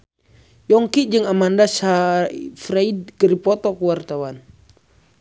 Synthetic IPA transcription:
jɔŋkid͡ʒɨŋamandasafɾaid̚kəɾipɔt̪ɔkuwart̪awan

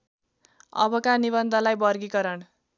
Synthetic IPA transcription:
ʌ̰bʌkanibʌnd̪ʱʌlajbʌrɡikʌɾʌɳ

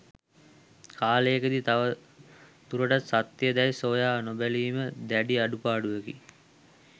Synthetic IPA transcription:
kʰaːleːkəd̪it̪aʋə | t̪uɾəʈat̪sat̪ːjəd̪æisoːjaːnobæliːməd̪æɖiaɖupaːɖuʋekḭ

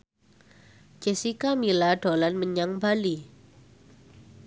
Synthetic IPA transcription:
d͡ʒ̥ɛsikamilaɖ̥o̤lanməɲaŋbali

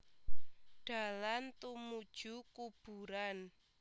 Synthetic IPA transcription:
ɖ̥a̤lant̪umud̥ʒ̥ukub̥ṳɾan

